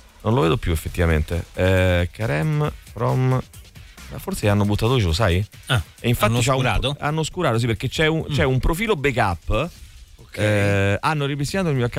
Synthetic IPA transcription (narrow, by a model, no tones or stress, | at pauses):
nonloveːd̪opjuefːet̪ːivament̪eɛkaɾɛmpɾɔm | ma̰fːoɾseanːobut̪ːat̪ot͡ʃelosaja | eiɱfanit͡ʃauɾat̪oa̰nːoskuɾaːt̪osipeɾk̟et͡ʃːɛut͡ʃɛumpɾofiːlobekapː | kɛanːoɾipist̪inaːt̪oilmiːoakːa